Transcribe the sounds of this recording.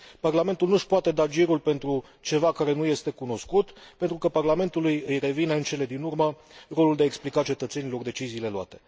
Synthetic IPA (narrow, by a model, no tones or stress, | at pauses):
parlame̞nt̪ulnuʃpoat̪e̞d̪ad͡ʒiɾulpe̞nt̪ɾu | t͡ʃe̞vakaɾe̞nuje̞st̪e̞kuno̞skut̪pe̞nt̪ɾukəparlame̞nt̪ulujɨjre̞vinəɨnt͡ʃe̞le̞d̪inurmə | ro̞luld̪e̞aeksplikat͡ʃe̞t̪ət̪se̞nilo̞rd̪e̞t͡ʃiziːle̞loa̰t̪e̞̥